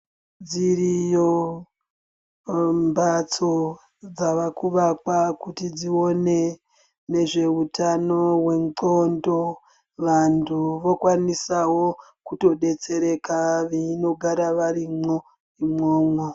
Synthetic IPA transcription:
d͡zirijo | mbat͡so | d͡zaʋakuʋakwakutid͡zio̞ne̞ | ne̞ʐe̞utano̞we̞mǀondo̞ | ʋantʰuʋo̞kwanisawo̞kuto̞ɗe̞t͡se̞ɾe̞kaʋino̞ɡʱaɾaʋaɾimo | imoːmwo

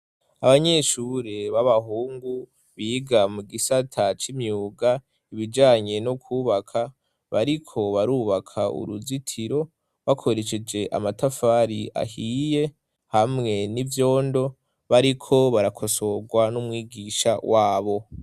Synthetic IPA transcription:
aβaɲe̞ʃuɾeβaβaɦuːŋɡu | βiɡamuɡisatʰat͡ʃimɲuːɡa | iβid͡ʒaːɲe̞nokʰuːβakʰa | βaɾikʰo̞βaɾuːβakʰaṵɾuzitʰiɾo̞ | βakʰo̞ɾe̞ʃe̞d͡ʒe̞ʔa̰matafaɾiʔa̰hije̞ | hamŋe̞nivjo̞ːndo̞ | βaɾikʰo̞βaɾakʰo̞so̞ɡwanumwiːɡiʃa̰wʔaːβo̞

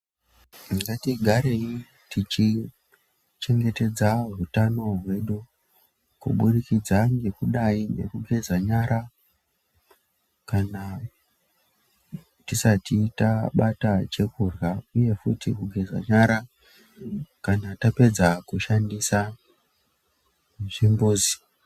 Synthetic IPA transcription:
niŋɡatiɡʱaɾe̞i | tit͡ʃi | t͡ʃe̞ŋɡe̞te̞d͡zarutano̞ɦwe̞ɗu | kṵɓuɗikid͡zaŋɡe̞kuɗaine̞̰kuɡʱe̞zaɲaɾa | kana | tisatitaɓatat͡ʃe̞kurɣauje̞futikuɡʱe̞za̰ɲaɾa | kanatape̞d͡zakuʃandisa | ʐimboːzi

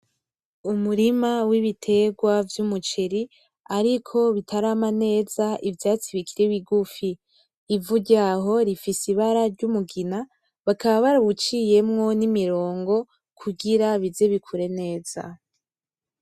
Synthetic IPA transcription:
umuɾimawiβitʰe̞ɡwavjumut͡ʃeɾi | aɾikʰo̞βitʰaɾaːmane̞ːzaʔivjaːt͡siβikʰiɾewiɡufiː | vuɟaːɦo̞ɾifisiβaɾaɾɟumuɡina | βakaβaβaɾaβut͡ʃije̞mŋo̞nimiɾo̞ːŋɡo̞ | kʰuɡiɾaβizeβikʰuɾe̞ne̞ːz̥a̰

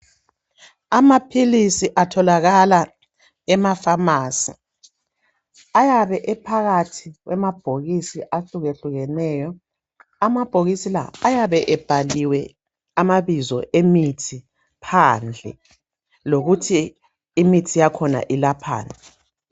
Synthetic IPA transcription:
amapʰilisiʔatʰɔlaɣala | ɛmafamaːsi | ajaβɛʔɛpʰaɣatʰiɣwɛmab̥ʱoɣisiʔaɬuɣeɬuɣɛnɛːjɔ | amab̥ʱoɣisila̰ːjaβɛʔɛb̥ʱaliwɛ | amaβizɔ̰ʔemitʰi | pʰand͡ɮʱɛ̰ | loɣutʰiː | mitʰijakʰɔna̰ʔilapʰa̰ːna

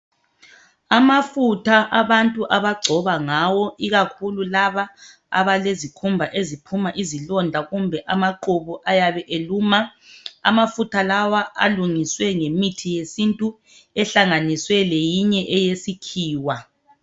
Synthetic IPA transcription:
amafutʰaʔaβantʼuʔaβaɡ͡ǀʱɔβaŋawɔiɣakʰululaβa | a̰βalezikʰumbʱaʔezipʰumaʔizilɔndʱaɣumbʱɛʔamaǃuβuʔajaβɛʔeluːmaa̰mafutʰalawaa̰luŋiswɛŋemitʰijesintʼu | ɛɬaŋaniswɛlejiɲɛʔɛjesikʰiːwa

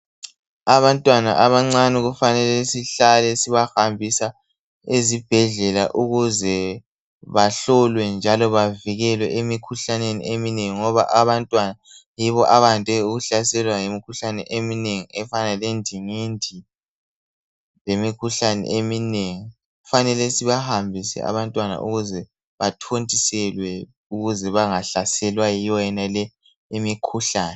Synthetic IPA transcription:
aβantʼwana̰ʔaβaŋ͡ǀaniɣufanɛlɛsiɬalɛsiβaxambʱisa | ezib̥ʱɛɮɛla̰ʔuɣuzɛ | βaɬɔlwɛnd͡ʒʱalɔβaviɣɛlwɛʔemikʰuɬanenḭʔemineŋiŋɔβa̰ʔaβantʼwana | jiβɔʔaβantʼɛuɣuɬasɛlwajimikʰuɬanɛ̰ʔemineŋiɛfanalendʱiŋendʱi | lemikʰuɬanɛ̰ʔemineŋi | ɣufanɛlesiβahambʱisɛ̰a̰βantʼwana̰ʔṵɣuzɛ | βatʰontʼisɛlwɛ | uɣuzɛβaŋaɬasɛlwajijɔjɛnalɛ | emikʰuɬaːnɛ

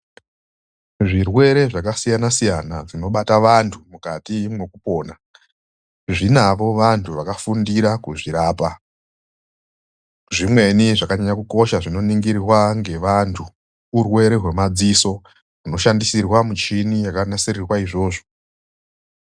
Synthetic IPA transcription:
ʐirwe̞ɾe̞ʐakasijanasijanaʐino̞ɓataʋantʰumukatimwe̞kupo̞ːna | ʐinaʋo̞ʋantʰuʋakafundiɾakuʐiɾaːpa | ʐimwe̞niʐakaɲaɲakuko̞ʃaʐino̞niŋɡirrwaŋɡe̞ʋantʰu | urwe̞ɾe̞ɦwe̞mad͡ziso̞ | uno̞ʃandisirwamut͡ʃinijakanaserirwaiʐo̞ːʐo

